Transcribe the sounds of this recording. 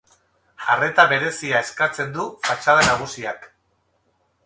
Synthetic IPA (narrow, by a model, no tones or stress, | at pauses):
are̞t̪aβe̞ɾe̞siae̞skat͡se̞nd̪ufat͡ʃað̞anaɣ̞usiak